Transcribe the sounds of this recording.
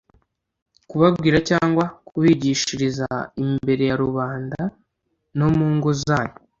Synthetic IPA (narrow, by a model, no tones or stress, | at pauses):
kuβabɡiːɾacaːŋɡwakuβiɟiʃiɾizaimbe̞ɾe̞jaɾuβaːnda | no̞muːŋɡozaːɲo